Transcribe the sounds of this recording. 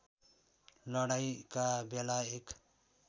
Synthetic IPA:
lʌɽajkabelaek

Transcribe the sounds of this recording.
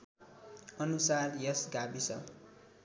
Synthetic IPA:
ʌnusarjʌsɡabisʌ

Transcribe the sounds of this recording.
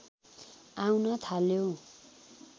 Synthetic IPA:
awnʌt̪ʰaljo

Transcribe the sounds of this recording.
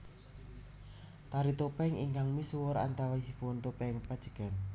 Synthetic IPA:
t̪aɾit̪opɛŋḭŋkaŋmiswʊɾa̰nt̪awaisipnt̪opɛŋpad̥ʒ̥ə̥ɡ̥a̤n

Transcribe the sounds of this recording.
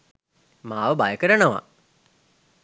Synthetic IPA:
maːʋəbajəkəɾənəʋa̰

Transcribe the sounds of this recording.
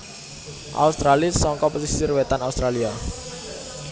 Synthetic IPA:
ʔa̰ust̪ɾalisɔŋkɔposisirwet̪anaust̪ɾalia

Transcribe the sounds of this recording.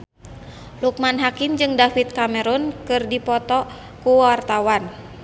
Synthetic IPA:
luk̚manɦakind͡ʒɨŋdafit̪̚kamɛɾunkɨrdipɔt̪ɔ | kuwart̪awan

